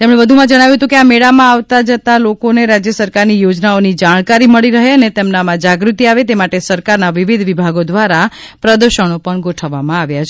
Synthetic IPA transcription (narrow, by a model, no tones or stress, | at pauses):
t̪emɽ̃ebəd̪ʱumãd͡ʒəɽ̃aʋjũɦət̪ũkeameɽamãaʋt̪ad͡ʒət̪alokoneɾad͡ʒjəsəɾkaɾnijod͡ʒnaonid͡ʒaɽ̃kaɾiməɭiɾəɦeənet̪emnamãd͡ʒaɡɾut̪iaʋet̪emaʈesəɾkaɾnaʋiʋid̪ʱʋibʱaɡod̪ʋaɾa | pɾəd̪əɾʃəɳ̃opəɳɡoʈʰəʋːamãaʋjat͡ʃʰe